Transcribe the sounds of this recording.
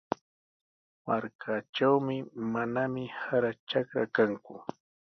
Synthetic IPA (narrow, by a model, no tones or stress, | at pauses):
maɾkʰat͡ʃawmɪmanamɪhaɾat͡ʃakɾakaŋkʊ